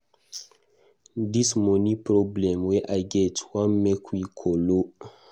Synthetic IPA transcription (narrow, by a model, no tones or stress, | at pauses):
dismonipɾoblɛmweʔaɡɛtwamːekikʰolo